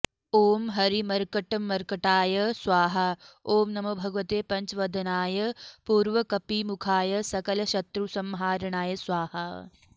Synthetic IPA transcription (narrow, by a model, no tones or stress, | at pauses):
oːmɦɐɾimɐɾkɐʈɐmɐɾkɐʈaːjɐsʋaːɦɐoːmnɐmɐbʱɐɡʋɐt̪eːpɐɲt͡ʃʋɐd̪ʱɐnaːjɐpuːɾʋɐkɐpimukʰaːjɐsɐkɐlɐɕɐt̪ɾusɐmɦaːɾɐɳaːjɐsʋaːhɐ